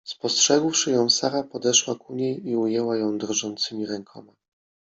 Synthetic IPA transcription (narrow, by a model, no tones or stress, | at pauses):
spɔstʂɛɡwʂɘjɔ̃w̃saɾapɔd̪ɛʂwakuɲejiujɛwajɔ̃w̃d̪ɾʐɔnt̪sɘmʲiɾɛŋkʰɔma